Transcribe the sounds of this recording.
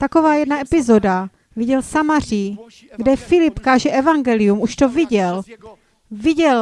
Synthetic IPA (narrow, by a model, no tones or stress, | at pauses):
t̪ako̞vaːjɛdnaʔɛpɪzo̞da | viɟɛlsamar̝iː | ɡdɛfɪlɪpkaːʒɛʔɛvaŋɡɛlɪjumʔuʃt̪o̞vɪɟɛl | vɪɟɛl